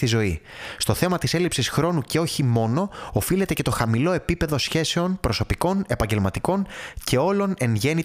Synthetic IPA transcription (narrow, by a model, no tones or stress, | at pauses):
t̪izo̞i | st̪o̞θe̞mɐt̪iselipsisxɾo̞nuceo̞çimo̞no̞ːfile̞t̪e̞ce̞t̪o̞xɐmilo̞e̞pipe̞ðo̞sçe̞se̞o̞npɾo̞so̞piko̞ne̞pɐɲɟe̞lmɐt̪iko̞ncʰe̞o̞lo̞ne̞ŋʝe̞ni